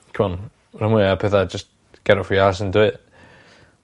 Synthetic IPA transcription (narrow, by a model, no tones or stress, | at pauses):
kʰəmɔn | rəmwɪapʰɛθad͡ʒəst̚ | ɡ̥ɛɾɔfias̬əndwɨ